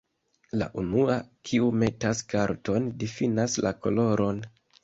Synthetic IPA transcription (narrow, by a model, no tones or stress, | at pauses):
la̰ʔunuakʰiume̞taskaɾto̞ndifinaslako̞̰lo̞ɾʔo̞n